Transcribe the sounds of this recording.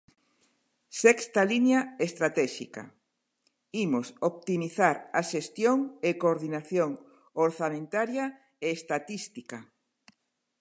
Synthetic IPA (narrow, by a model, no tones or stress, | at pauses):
sɛkst̪alinjaest̪ɾat̪ɛʃḭka̰ | imosop̚t̪imiθaɾaʃest̪joŋekoɾðinaθjoŋ | oɾθamẽnt̪aɾja | eːst̪at̪ist̪ika